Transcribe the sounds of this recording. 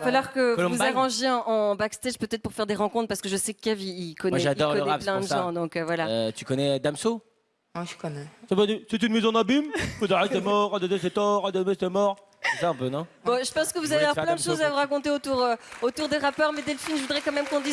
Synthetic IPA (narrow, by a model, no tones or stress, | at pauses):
afalwɔʁkəkɔ̃vuzaʁɑ̃ʒjeɑ̃ʔɑ̃bakst̪ɛʒpøt̪ɛt̪χ̚puʁfɛʁd̪eʁɑ̃kɔ̃t̪χpaʁsəkəʒəsɛkːɛviːkɔnɛʒad̪ɔʁlɔəʁɛaplɛ̃d̪əsʒɑ̃d̪ɔ̃køvwalat̪y̥kɔnɛd̪amso̥ | kɔnɛsavasɛt̪ynmezɔ̃d̪abimkɔd̪aʁesɛmɔʁad̪ɔnesɛt̪ɔʁad̪ɔmest̪ɛmɔʁ | sɛsaɛ̃pønɔ̃bɔ̃ʒəpɑ̃skəvuzaveaɔplɛ̃d̪əʃozavuʁakɔ̃t̪eot̪uʁot̪uʁd̪eʁapœʁmɛd̪ɛləfilmʒəvud̪ʁɛkɑ̃mɛmkɔ̃d̪iz